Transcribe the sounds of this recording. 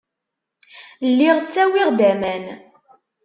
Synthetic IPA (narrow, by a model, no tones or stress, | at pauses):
lːiʁət͡sːæwiʁd̪æmæn